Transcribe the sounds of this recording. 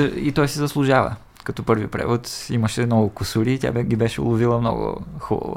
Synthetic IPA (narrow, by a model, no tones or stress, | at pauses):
it̪ɔjsɛzɐslˠʊʒavə̰ | kɐt̪ɔpɤɾvipɾɛ̰vʊt̪iməʃɛmnɔɡʊkusuɾiːt̪ʲa̰ɡʲibɛʃɛʊ̰lˠʊvilˠəmnɔ̰ɡʊ̰xubə̰vʊ̰